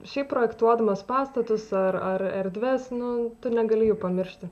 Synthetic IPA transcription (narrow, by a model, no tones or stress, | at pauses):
ʃʲɛɪppːɾoːjɛkt̪uɔd̪ɐmɐspɑːst̪ɐt̪ʊsɐrɐrɛɾʲd̪ʲʋʲɛsnʊt̪ʊnʲɛɡɐlʲɪjɛʊpɐmʲɪrʲʃʲt̪ʲɪ